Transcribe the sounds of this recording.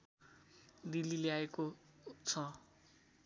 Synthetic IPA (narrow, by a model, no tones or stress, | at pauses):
d̪ilileaekot͡sʰʌ